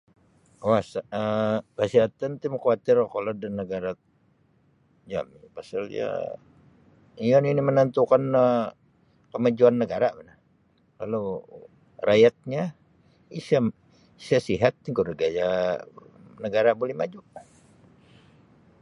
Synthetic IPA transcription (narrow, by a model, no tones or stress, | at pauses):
wasaəkəsiɦat̪ant̪imkwat̪ɪrkoladanːəɡaɾa | d͡ʒa̰mipasalja̰ | ijɔninimənant̪ukanə | pəmad͡ʒuanːəɡaɾamana | kalo | rajat̪̚ɲa | isa | sasiɦat̪̚ːiŋkuɾəɡaja | nəɡaɾabolɛhmad͡ʒu